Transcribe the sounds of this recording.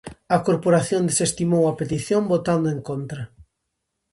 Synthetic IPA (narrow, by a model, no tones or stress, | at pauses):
ɐkoɾpoɾaθjõnd̪esest̪imowɐpet̪iθjõmbot̪and̪ʊẽŋkont̪ɾɐ